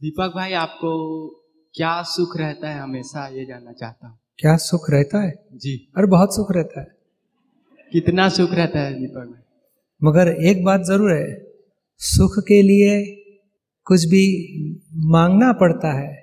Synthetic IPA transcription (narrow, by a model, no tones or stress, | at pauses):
d̪iːpək̚bʱaːiaːp̚ko | kjaːsʊkʰɾɛɦt̪aɦɛɦɐmeːʃajed͡ʒaːnːat͡ʃa̰ːɦt̪aɦɛkjaːsʊkʰɾɛɦt̪aɦɛːd͡ʒiːɔɾbɐɦʊt̪sʊkʰɾɛɦt̪aɦɛː | kɪt̪nasʊkʰɾɛɦt̪aɦɛd̪iːpək̚bʱaːi | mɐɡəɾeːk̚baːt̪zɐɾuːɾɦɛː | sʊkʰkelie | kʊt͡ʃʰbʱi | mãːŋɡnapɐɽt̪aɦɛː